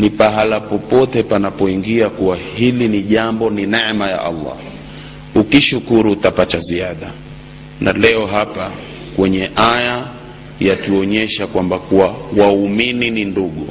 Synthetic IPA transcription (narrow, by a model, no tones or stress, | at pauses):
nipaɦalapɔpɔtɛpanapɔiŋɡiakuwahiliniʄambɔninɛmaja̰ʔa̰lːɑ̰ | ukiʃukuɾuːtapataziaɗa | nalɛɔɦapa | kwɛɲɛʔaja | jatuɔɲɛʃakwambakuwawauminininduɠu